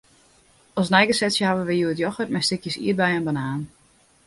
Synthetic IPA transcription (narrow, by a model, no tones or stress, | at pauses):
ɔsnɛjɡəsɛtsjəhaʋəʋəjuətjɔxət̚mɛjstɪkjəsḭːət̚bɛjənbanaːn